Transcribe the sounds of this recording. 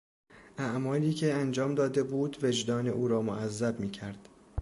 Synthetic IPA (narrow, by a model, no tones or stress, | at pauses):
ʔæʔmɒːliːcʰe̞ænd͡ʒɒːmd̪ɒːd̪e̞buːd̪ve̞d͡ʒd̪ɒːne̞ʔuːɾɒːmoʔæzːæbmiːcʰæɾd̪̥